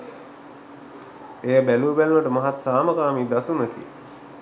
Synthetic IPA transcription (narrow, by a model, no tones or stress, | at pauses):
ejəbæluəbæluməʈəmɐɦat̪saːməkaːmiːd̪asunəkḭ